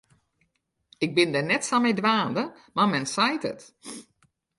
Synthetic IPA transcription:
ɪɡ̚bɪndɛnɛtsamɛjdʋaːndə | mamɛnsajtə̰t

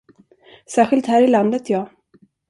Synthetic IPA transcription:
sæːɧɪlt̪hæːɾɪland̪ət̪ʰjɑː

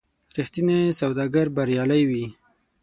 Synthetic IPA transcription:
ɾixt̪inesawd̪ɑɡaɾbaɾjɑlajwi

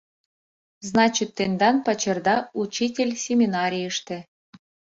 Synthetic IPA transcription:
znɑt͡ɕit̪ːend̪ɑnpɑt͡ɕɤ̆rd̪ɑut͡ɕitʲelʲsʲemʲinɑɾʲijəʂt̪ɘ̆

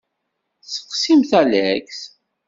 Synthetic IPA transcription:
sə̥qsimθælækθ

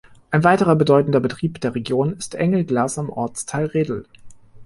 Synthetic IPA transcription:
ʔaɪnvaɪtəʁɐbədɔʏtn̩dɐbətʁ̥iːpd̥eːɐʁeɡjoːnɪstʔɛ̰ŋləɡlaːsamʔɔ̰ɐt͡stʰaɪlʁeːdl̩

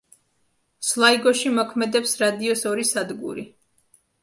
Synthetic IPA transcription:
slˠaiɡɔʃimɔkʰmɛd̪ɛpsɾad̪iɔsɔɾisad̪ɡṵɾi

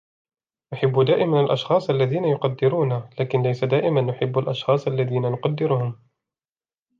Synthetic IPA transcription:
nʊħɪbːʊd̪aːʔɪmanalʔɑʃxɑːsˤʔalːaðiːnajʊqɑd̪ːɪɾuːnalaːkɪnlajsad̪aːʔɪmanːʊħɪbːalʔɑʃxɑːsˤʔalːaðiːnanʊqɑd̪ːɪɾʊhʊm

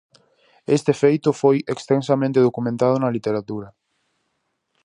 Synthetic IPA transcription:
est̪efejt̪ʊfojekst̪ensamẽnt̪eð̞okumẽnt̪að̞ʊnɐlit̪eɾat̪uɾɐ

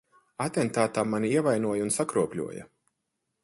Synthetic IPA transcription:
at̪ɛnt̪aːt̪aːmaniiɛvajnuɔjunsakɾuɔpʲlʲṵɔjɐ̰

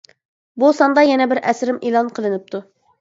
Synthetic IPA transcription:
busɑnd̪ɑjɛnɛbɪɾʔɛsɾɪmelˠɑnqʰəlˠɨnɪp̚t̪ʰu

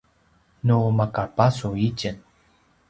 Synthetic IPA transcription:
numakapasuicən

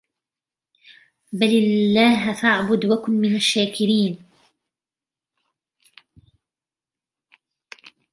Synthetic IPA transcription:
balɪlːaːɦfaʕbʊd̪wakʊnmɪnaʃːaːkɪɾiːn

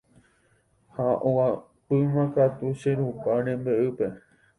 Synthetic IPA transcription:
haʔoa | pɨmãkat̪uʃeɾupaɾẽmbeʔɨpe̞

